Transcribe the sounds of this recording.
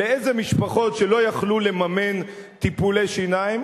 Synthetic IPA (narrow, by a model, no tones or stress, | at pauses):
leezemiʃpaχo̞tʃe̞lo̞jaχlule̞mame̞n | t̪ipulejʃinaim